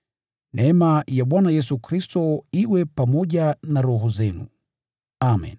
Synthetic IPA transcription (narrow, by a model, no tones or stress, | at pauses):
nʔɛɛmajaɓwanajɛsukɾistɔiwɛpamɔʄanaɾɔɦɔzɛnṵ | amɛ̰n